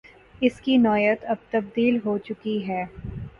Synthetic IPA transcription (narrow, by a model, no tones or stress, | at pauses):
ɪskinɔːjət̪ɐb̚t̪ɐb̚d̪iːlɦoːt͡ʃʊkiɦɛː